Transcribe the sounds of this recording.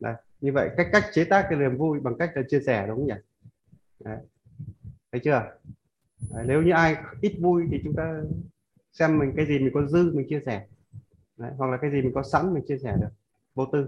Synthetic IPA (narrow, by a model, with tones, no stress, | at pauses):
ʔə̰˨˩j | ɲɨ˧və̰˧˨jka˦˥k̚ːa˦˥jk̟̚t͡ɕe˨˦t̪aː˦˥k̚ːli˨˩əmvu˧jɓa˨˩ŋka˦˥jk̚laː˨˩t͡ɕi˧əsɛ˧˩ɗʊ˨˦ŋ͡mzaː˨˩ | ʔə˨˦j | t̪ʰə˨˦jt͡ɕɨ˧ə | ʔə˨˩jne˨˦wɲɨ˧ʔaː˧jʔi˦˥t̚vu˧jt̪ʰi˨˩t͡ɕʊ˨˦ŋ͡mt̪aː˧ | sɛ˧mːï˨˩ŋ̟kaː˨˦jzi˨˩mï˨˩ŋ̟kɔ˨˦zɨ˧mï˨˩ŋ̟t͡ɕi˧əsɛ˧˩ | ʔə˨˦jɦwa˨˩k̚laː˨˩kaː˨˦jzi˨˩mï˨˩ŋ̟kɔ˨˦sa̰˧˥mmï˨˩ŋ̟t͡ɕi˧əsɛ˧˩ɗɨ˨˩ək̚ | ɓo˧˩t̪ɨ˧